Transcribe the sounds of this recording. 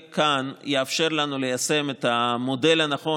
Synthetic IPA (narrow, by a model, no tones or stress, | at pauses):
kanjeafʃe̞ʁlanule̞jase̞met̪amo̞de̞lhanaχo̞